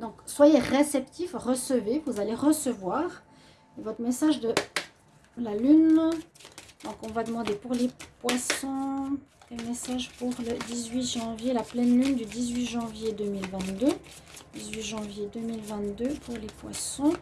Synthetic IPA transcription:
d̪ɔ̃kswajeʁesɛpt̪ifʁəsəvevuzaleʁəsəvwaːʁ | evɔt̪χmɛsaʒd̪ə | lalyn | d̪ɔ̃kɔ̃vad̪əmɑ̃d̪epuʁlepwasɔ̃ | kɛlmɛsaʒpuʁləd̪izɥiʒɑ̃vjelaplɛnlynd̪yd̪izɥiʒɑ̃vjed̪ømilvɛ̃t̪d̪ø | d̪izɥiʒɑ̃vjed̪ømilvɛ̃t̪d̪øpʰuʁlepwa̰sɔ̃

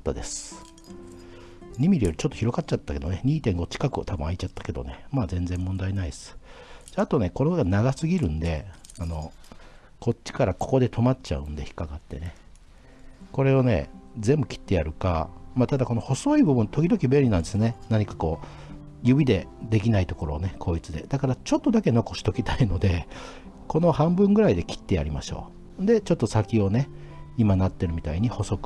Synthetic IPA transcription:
t̪ːa̰d̪e̞sɨ̥ | ɲ̟imʲiɾijo̞ɾʲi̥t͡ɕot̪ːo̞çiɾo̞ɡat̚t͡ɕːat̪ːake̞d̪o̞neɲ̟iːt̪ẽ̞ŋɡo̞t͡ɕi̥kakɯ̟o̰t̪abɯ̟̃ait͡ɕat̪ːḁke̞d̪o̞̰ne̞maːzẽ̞nzẽ̞mːõ̞nd̪ainaid̪esɨ̥d̪eat̪o̞ne̞ko̞ɾeɡanaɡasɨɡʲiɾɯ̟̃nd̪e̞ano̞ | kʰo̞t͡ɕt͡ɕːi̥kaɾako̞̥ko̞d̪e̞t̪ʰo̞matt͡ɕa̰ɯ̟̃nd̪e̞çi̥kaɡat̪ːe̞ne̞ | ko̞ɾe̞one̞̰zẽ̞mbɯ̟kʲi̥t̪ːe̞jaɾɯ̟ka̰mat̪ad̪ako̞no̞ho̞so̞ibɯ̟bɯ̟̃nt̪o̞kʲid̪o̞kʲibe̞ɾʲinãnd̪esɨnenaɲ̟ikako̞ː | jɯ̟bʲid̪e̞d̪e̞kʲinait̪o̞ko̞ɾo̞ːne̞kʰo̞ːit͡sɨd̪e̞̰d̪̥akaɾat͡ɕo̞t̪ːo̞d̪ake̞no̞ko̞ɕi̥t̪o̞kʲi̥t̪aino̞d̪e̞ | ko̞no̞hãmbɯ̟̃ŋɡɯ̟ɾaid̪e̞kʲi̥t̪ːe̞ja̰ɾʲima̰ɕo̞̰ː | nd̪e̞t͡ɕo̞t̪ːo̞sakʲio̞neimanat̪ːe̞ɾɯ̟mʲit̪a̰iɲ̟iho̞so̞kɯ̟̥

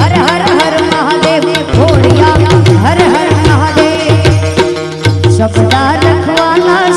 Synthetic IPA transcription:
ɐɾɦɐɾɦɐɾmɐɦad̪eːʋkʰoːlijaːɦɐɾɦɐɾmɐɦad̪eː | ʃɐbd̪aːɾɐkʰʋaːnaː

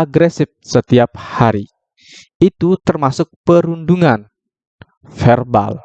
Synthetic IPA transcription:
aɡɾɛsɪf̚sət̪iap̚haɾi | it̪ut̪ərmasʊk̚pəɾunduŋan | fɛrba̰l

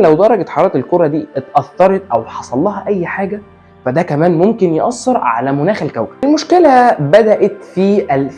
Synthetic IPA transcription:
læwd̪ˤɑɾˤɑɡet̪ħɑɾˤɑːt̪elkoɾˤɑd̪iːʔt̪ʔɑθːɑɾˤɑt̪ʔæwħɑsˤɑlːɑːhɑʔæjːħaːɡæ | fæd̪ækæmæːnmomkenjeʔɑsˤːeɾˤʕa̰læmonæːxelkæwkæ̥blmoʃkelæbæd̪æʔæt̪fiʔæl

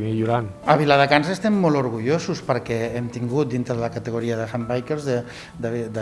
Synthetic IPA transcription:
miʎuɾan | əβilaðəkansəest̪ɛmːɔluɾɣuʎosuspəɾkɛemt̪iŋɡut̪̚d̪int̪ɾəðələkət̪əɣuɾiəðəsambajkeɾzðə | d̪əd̪ə

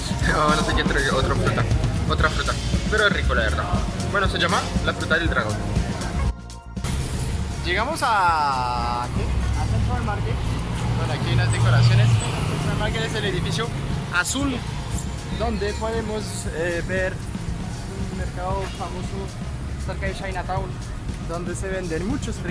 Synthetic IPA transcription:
onoseket̪ɾeot̪ɾofɾut̪aot̪ɾafɾut̪apeɾoesrikolaβeɾða̰bwenoseʝamalafɾut̪aðeld̪ɾaɣo̞n | d͡ʒeɣamosa | keasent̪ɾoalmaɾkekonakiaunazd̪ekoɾasjo̞nesθent̪ɾoalmaɾkeeseleðifisjoasul | d̪o̞nd̪epweðemos | ebeɾ | unmeɾkaðofamoso | seɾkaðeʃajnat̪awn | d̪o̞nd̪eseβe̞nd̪enmut͡ʃospɾ

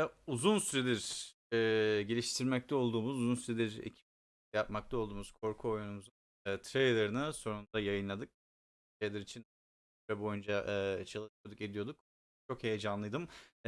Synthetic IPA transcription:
uzunsyɾed̪ʲiɾː | ɟelʲiʃt̪ʰiɾmɛc̚t̪ʰɛo̞lˠd̪uːmuzuzunsyɾed̪ʲiɾḛcʰi̥p | jap̚mak̚t̪ʰalˠd̪uːmuz̥kʰo̞ɾkʰuo̞junumuzun | t̪ʰɾejlˠeɾɯnɯso̞ɾund̪ajajɯnlˠad̪ɯk̚ | ʃejlʲˠɛɾit͡ʃʰin | vɛbo̞jund͡ʒaʔːt͡ʃʰalˠɯʃyjo̞d̪uke̞d̪ijo̞d̪uk̚ | t͡ʃʰo̞khe̞jed͡ʒanlˠɯjd̪ɯm

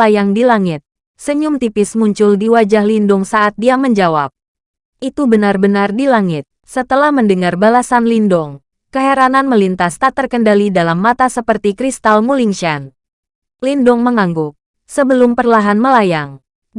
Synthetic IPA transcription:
ajaŋdilaŋɪt̪̚ | səɲʊmt̪ipɪsmuɲt͡ʃʊldiwad͡ʒahlindʊŋsaʔat̪̚diaməɲd͡ʒawa̰p̚ | ʔit̪ubənarbənardilaŋɪt̪̚sət̪əlahməndəŋarbalasanlindɔŋ | kəɦaɾananməlint̪ast̪at̪ərkəndalidalamːat̪asəpərt̪ikɾist̪almuliŋʃan | lindɔŋməŋaŋɡʊk̚ | səbəlʊmpərlaɦanməlajaŋ

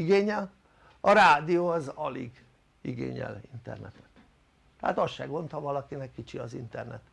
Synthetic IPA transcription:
iɡeːɲɛl | ɒɾaːd̪ioːɒzɒliɡ | iɡḛːɲɛ̰lḭnt̪ɛ̰rnɛt̪ɛ̥t̪ː | ɛha̰t̪ɒsʃɛɡo̞nt̪hɒvɒlɒkinɛkːit͡ʃiɒzint̪ɛrnɛ̰t̪

